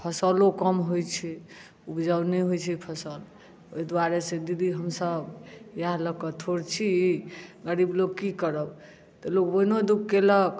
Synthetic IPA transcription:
pʰəsəlokəmɦojt͡ʃʰɛ | upd͡ʒawnɛɦojt͡ʃʰɛpʰəsəl | oid̪waɾesed̪id̪iɦəmsəbjaɦləkət̪ʰoɾt͡ʃʰi | ɡəɽibloɡ̚kikəɾəb | t̪ɔlokboinod̪ukkelək

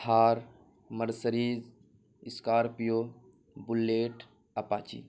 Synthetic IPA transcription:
aːɾ | məɾsəɾiːz | ɪskaːɾpijoː | bulːeːʈ | ɐpaːt͡ʃḭː

